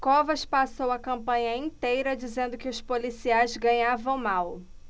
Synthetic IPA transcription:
kɔvɐʃpasowɐkɐ̃mpɐ̃ɲɐĩt̪ejɾɐd͡ʒizẽnd̪ʊkɪʊspolisiajzɡɐ̃ɲavɐ̃w̃maw

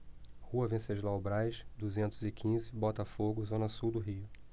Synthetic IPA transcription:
huɐvẽseʒlawbɾajʃd̪uzẽnt̪ʊzɪkʰĩzɪbɔt̪ɐfoɡʊzõnɐsuwd̪ʊɦiʊ

